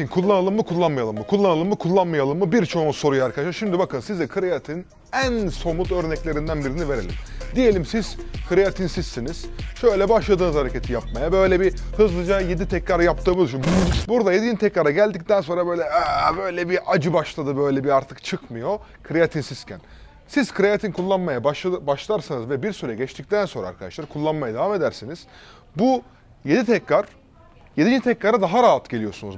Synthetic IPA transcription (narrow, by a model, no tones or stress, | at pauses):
inkʰulˠːanalˠɯmːɯkʰulˠːanmajalˠɯmːɯkʰulˠːanalˠɯmːɯkʰulˠːanmajalˠɯmːɯbiɾt͡ʃʰo̞nuso̞ɾujaaːɾkʰad̪aʃaɾʃimd̪ibakʰɯnsizɛkʰɯɾejat̪ʰin | ænso̞mut̪ø̞ɾnɛclʲe̞ɾind̪ænbiɾinive̞ɾe̞lʲḭmd̪ije̞lʲimsiz̥kʰɯɾejat̪ʰinsisːiniz̥ʃø̞jlʲɛbaʃlˠad̪ɯːnɯzhaɾecʰet̪ʰijap̚majabø̞jlʲɛbi | hɯzlˠɯd͡ʒajed̪it̪ʰɛcɾaɾajap̚t̪ʰɯabilʲˠʃinbuɾd̪ajed̪id͡ʒit̪ʰɛcɾaɾaɟælʲd̪ic̚t̪ænso̞nɾabø̞jlʲɛbøjlʲɛbiʔad͡ʒɯbaʃlˠad̪ɯbø̞jlʲɛbiaɾt̪ʰɯkt͡ʃʰɯkmɯjo̞ | kʰɯɾeat̪ʰinsiscʰæn | siz̥kʰɯɾejat̪ʰinkʰulˠːanmajabaʃbaʃlˠaɾsanɯzvɛbiɾsyɾɛjɟɛt͡ʃt̪ic̚t̪ʰænso̞nɾa̰ːɾkʰad̪a̰ʃlˠaɾkʰulˠːanmajad̪e̞vame̞d̪æɾsiniz̥ | bu | je̞d̪it̪ʰɛcɾaɾ̥ | jed̪id͡ʒt̪ʰɛcɾaɾad̪aɦaɾaːɦat̪ɟe̞lijo̞sunuz